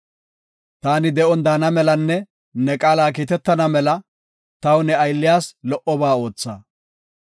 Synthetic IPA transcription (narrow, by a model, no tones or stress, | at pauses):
t̪aːnɪd̪ɛɔnd̪aːnɐmɛlɐnːɛ | nɛkʼaːlaːk̬iːt̪ɛt̪ːɐnɐmɛlɐ | t̪ɐwʊnɛɐjlːɪjaːslɔʔɔbaːo̞ːt͡sːa̰ː